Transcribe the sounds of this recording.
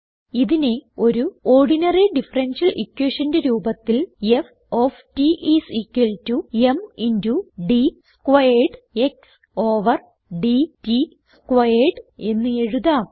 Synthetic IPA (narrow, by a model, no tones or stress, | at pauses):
iðine̞o̞ɾuo̞ːrɖinɐriɖifɐrenʂɐlʔikːweːʂɐndɨɾuːbɐt̪ːilef | oːftiʔisikːwiltːueminduɖiskwɐjeɖe̞ks | o̞ːʋɐr | ɖiti | skʋɐjeɖe̞nːɨe̞ɻuða